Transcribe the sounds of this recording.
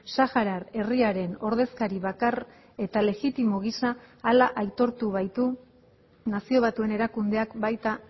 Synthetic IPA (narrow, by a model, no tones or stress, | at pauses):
saxaɾaɾe̞riaɾe̞no̞ɾðe̞skaɾiβakar | e̞t̪ale̞ɣit̪imo̞ɣ̞isaːlaʔajt̪o̞ɾt̪uβajt̪u | nasio̞β̞at̪ue̞ne̞ɾakund̪e̞akbajt̪a